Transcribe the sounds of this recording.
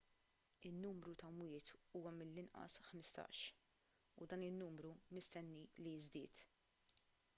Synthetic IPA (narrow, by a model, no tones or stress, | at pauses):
ɪnːuːmɾut̪ɐmwɪːt̪uːwɐmɪlːɪnʔɐ̰sħmɪst̪ɐ̰ːʃ | ṵd̪ɐːnɪnːuːmɾumɪst̪ɛnːilijzd̪ɪ̰ːt̪